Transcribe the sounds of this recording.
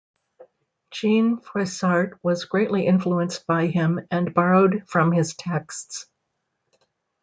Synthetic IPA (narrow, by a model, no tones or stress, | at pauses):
d̥ʒ̥ĩnfɹɛsɑɹt̚wʌzɡɹeɪʔliʔɪ̃ɱfluə̃nsb̥aɪɪ̃mɨ̃nbɑɹoʊdfɹʌ̃mɪz̥tʰɛksts